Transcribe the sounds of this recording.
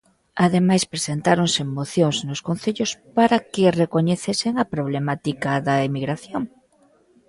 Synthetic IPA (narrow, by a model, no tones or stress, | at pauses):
aðemajspɾesent̪aɾoŋsemoθjoŋznoskon̟θeʎospaɾɐkɪrekoɲeθesɪŋɐpɾoβ̞lemat̪ikaðɐemiɣɾaθjoŋ